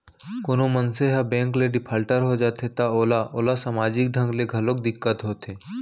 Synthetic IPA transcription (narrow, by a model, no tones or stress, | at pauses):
koːnomənseɦabɛ̃ːŋkleɖɪpʰaːlʈəɾɦod͡ʒaːt̪et̪aoːlaʔoːlasaːmaːd͡ʒɪk̚ɖʱə̃ŋɡleɡʱɐlok̚d̪ɪkːət̪ɦoːt̪eː